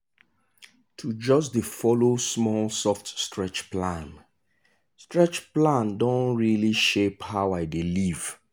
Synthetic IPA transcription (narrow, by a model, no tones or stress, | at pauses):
tʰud͡ʒɔsdefɔlosmɔlsɔftstɹɛt͡ʃplãn | stɹɛt͡ʃplãndɔ̃nɹiliʃephaʊaɪdeliv̥